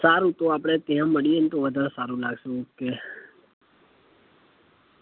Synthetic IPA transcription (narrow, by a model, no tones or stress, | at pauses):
saːɾũt̪oaːpɽ̃et̪ɛjãːməɽijeːnt̪oʋəd̪ʱaːɾsaːɾũlaɡʃũke